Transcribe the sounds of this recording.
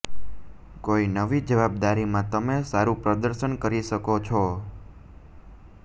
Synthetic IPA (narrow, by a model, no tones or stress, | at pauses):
koinəʋid͡ʒəʋab̚d̪aɾimãt̪əmesaɾupɾəd̪əɾʃənkəɾiʃəkot͡ʃʰɔ